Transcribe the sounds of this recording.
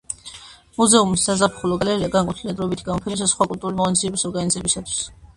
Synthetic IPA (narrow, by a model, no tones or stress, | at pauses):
muzɛumisd̪azapʰχulɔɡalɛɾiaɡaŋkʼwɛt̪ʰilɛd̪ɾɔbit̪ʰɡamɔpʰɛd̪ɛssχwakʼult̪ʼuɾulimɔnszʰiɛbisɔɾɡanizɛbisat̪ʰwi̥s